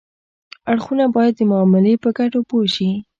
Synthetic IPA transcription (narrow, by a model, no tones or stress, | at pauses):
aɽxunabɑjad̪ːəmʊɑmɪlepəɡaʈopoʃi